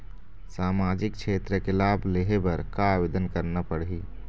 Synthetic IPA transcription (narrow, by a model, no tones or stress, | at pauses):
saːmaːd͡ʒɪk̚ʃʰeːt̪ɾəkelaːbʱleɦebəɾkaaʋed̪ənkəɾnapəɽɦi